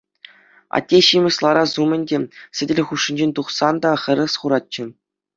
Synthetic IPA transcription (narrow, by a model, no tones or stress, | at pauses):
ɑ̰tʲːeɕimɤ̆slˠɑɾɑzumʲɘ̆nʲdʲesʲɘ̆dʲɘ̆lʲχuʂːɘ̆nʲd͡ʑenʲt̪uχsɑnd̪ɑχʲɘ̆ɾʲɘ̆sχuɾɑt̚t͡ɕːɘ̆